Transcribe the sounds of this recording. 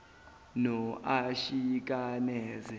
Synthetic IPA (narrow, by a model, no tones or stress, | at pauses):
nɔʔaʃik̬ʼanɛːzɛ